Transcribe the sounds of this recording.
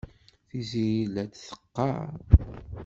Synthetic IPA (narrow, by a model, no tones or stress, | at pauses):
θiziɾilæd̪θə̥qːɑ̰ɾ